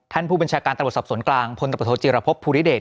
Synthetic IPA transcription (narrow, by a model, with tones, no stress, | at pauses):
t̪ʰa˥˩npʰuː˥˧ba˧nt͡ɕʰaː˧kaː˧nt̪a˧˨˩t̪̚sɔ˨˩p̚su˩˦nklaː˧ŋpʰo˧nt̪a˧˩˨o˧˥t͡ɕiː˧ɾa˧pʰo˦˥pʰːuː˧ɾi˦˥deː˨˩t̚